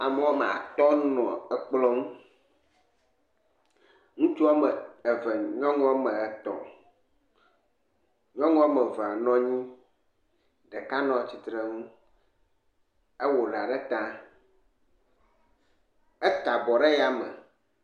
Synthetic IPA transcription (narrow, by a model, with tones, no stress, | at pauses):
a˨me˦a˦me˨a̰˨t̪ɔ˦nɔ̰̃˨ɛ˦k͡plɔ˦ŋũ˦ | ŋũ˦t͡ʃu˦a˦mə˨ɛ˨vɛ˨ɲɔ̃˦ŋɔ̃˦a˦mə˨ɛ˨t̪ɔ̰˨ | ɲɔ̃˦ŋɔ̃˦a˦mɛ˨ve˨a˨nɔ̃˦ɲĩ˦ | ɖɛ˨ka˦nɔ̃˦t͡ɕi˨t̪ɾe˦ŋũ˦ | e˦wo˨ɖa˨ɖɛ˦t̪ã˦ | ɛ˦t̪a˨bɔ˨ɖe˦ja˨mə̰˨